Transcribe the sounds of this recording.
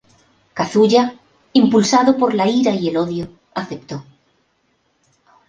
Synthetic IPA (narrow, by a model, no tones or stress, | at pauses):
kaθuʎa | impulsaðopo̞ɾlaiɾaie̞lo̞ðjo | aθe̞pt̪o̞